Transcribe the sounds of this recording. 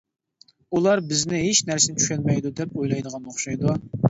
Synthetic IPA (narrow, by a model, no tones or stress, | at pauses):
ulˠɑɾbɪznɪɦeʃnæɾsɪnɪt͡ʃʰy̥ʃʲɛlmɛjd̪ud̪ɛp̚ojlˠɑjd̪əʁɑnoχʃɑjd̪u